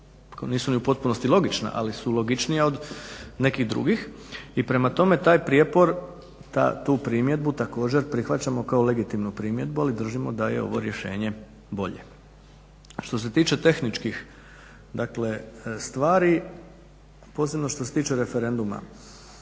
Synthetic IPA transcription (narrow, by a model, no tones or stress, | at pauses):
kniːsuniupo̞t̪̚punost̪ilo̞ɡit͡ʃna̰ʔa̰lisulo̞ɡit͡ʃnijao̞d̪ne̞kiɣd̪ɾṵɡix | ipɾe̞mat̪o̞me̞t̪aːjpɾijepo̞ɾ | t̪a̰t̪uːpɾiːmje̞d̪̚but̪ako̞ːd͡ʑe̞ɾpɾixʋat͡ɕamo̞kaole̞ɡit̪imnupɾiːmje̞d̪̚bualid̪r̩ʒimo̞d̪aje̞̰o̞̰ʋo̞̰ɾje̞ʃe̞ːɲe̞ | bo̞̰ʎḛ | ʃt̪o̞s̬e̞t̪iːt͡ʃe̞t̪e̞xnit͡ʃkix | d̪akle̞st̪ʋaːɾi | po̞ːsebnoʃt̪ose̞t̪iːt͡ʃe̞ɾe̞fe̞ɾe̞nd̪uma̰